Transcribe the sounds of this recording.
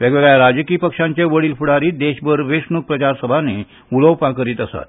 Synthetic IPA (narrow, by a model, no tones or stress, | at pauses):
ʋeɡʋeɡjaɾad͡ʑkiːpəkʂãɲt͡ɕaʋəɽiːlfuɽaɾiːd̪eɕbəɾʋeʂnuk̚pɾət͡ɕaɾsəbʱane | uləwpãkəɾiːt̪əsa̰t̪̚